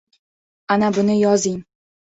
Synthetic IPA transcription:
anabʊnɪjɒzɪŋ

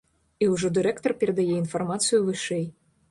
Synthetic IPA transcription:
iwʐɔd̪ɨɾɛkt̪ɔrpʲɛɾɛd̪ajɛinfɐrmat̪sɨjuvɨʂɛj

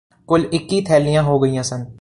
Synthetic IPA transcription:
kʊlɪkːiːt̪ʰɛːlijãːɦoːɡəiːjãːsən

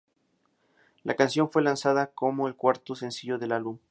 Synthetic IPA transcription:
lʔa̰kansjo̞nfwe̞lansaðako̞mo̞elkwaɾt̪osensiʝoðe̞lalβum

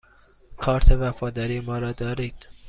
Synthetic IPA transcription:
kʰɒːɾt̪ʰevæfɒːd̪ɒɾiːmɒːɾɒːd̪ɒːɾiːd̪̥

